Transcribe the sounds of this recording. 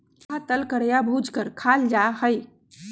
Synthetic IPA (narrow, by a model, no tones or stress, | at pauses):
at̪əlkəɾjabʱud͡ʒkəɾkʰald͡ʒahəj